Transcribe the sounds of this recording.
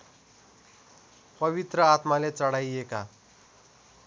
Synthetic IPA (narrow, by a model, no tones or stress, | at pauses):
pəʋit̪ɾəat̪malet͡səɽajeka